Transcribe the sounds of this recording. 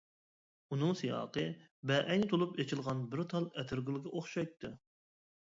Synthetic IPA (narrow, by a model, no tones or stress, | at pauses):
unɨŋsɨjɑ̰ːqɨ | bɛʔɛnt̪ʰolˠupet͡ʃʰilˠʁɑnbɪɾt̪ʰɑlˠɛt̪ʰɪɾɡʲɪlˠɡʲɛʔoχʃɑjt̪ʰːɨ